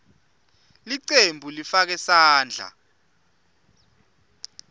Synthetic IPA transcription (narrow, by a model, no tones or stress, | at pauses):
liǀembʱulifak̬ɛsaːnd͡ɮʱa̰